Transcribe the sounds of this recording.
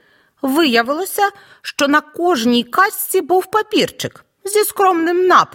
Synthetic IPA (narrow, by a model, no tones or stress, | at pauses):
ʋɪjɐʋɪlˠɔsʲɐ | ʃt͡ʃɔnɐkɔʒnʲijkɑsʲt͡sʲibuwpɐpʲirt͡ʃɪk | zʲiskɾɔmnɪmnɑp